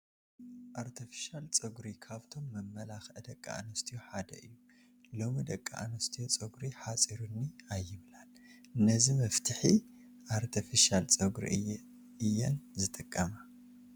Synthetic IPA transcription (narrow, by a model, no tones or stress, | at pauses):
ʔaɾt̪ʰifi̥ʃalt͡sʼɨɡɾikʰaβt̪ʰo̞mːɐmːɐlaxʔɨd̪ɐkʼːa̰a̰nɐst̪ʰijoħad̪ɐ̰ʔɨjːu | lo̞mid̪ɐkʼːa̰ʔa̰nɐst̪ʰijot͡sʼɨɡɾiħat͡sʼiɾunːiajːɪβlalɨnːɐzimɐft̪ʰɨħi | ʔaɾt̪ʰifiʃalt͡sʼɐɡɾḭ | ɨjːɛ̰nzɨt̪ʼɨkʼːɐma